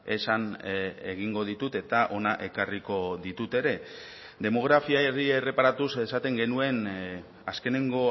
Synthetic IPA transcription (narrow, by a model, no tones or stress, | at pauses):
e̞saneɣ̞iŋɡo̞ð̞it̪ut̪e̞t̪aʔo̞naʔe̞kariko̞ðit̪ut̪e̞ɾe̞ | d̪e̞mo̞ɣ̞ɾafiaerie̞re̞paɾat̪usesat̪e̞ŋɡe̞nue̞n | aske̞ne̞ŋɡo̞